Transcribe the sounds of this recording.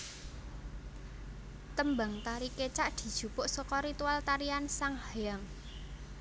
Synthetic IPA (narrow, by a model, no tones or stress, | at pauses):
t̪əmbaŋt̪aɾiket͡ʃaʔd̪̥i̤d̥ʒ̥ṳpʊʔsɔkɔɾit̪ualt̪aɾiansaŋhajaŋ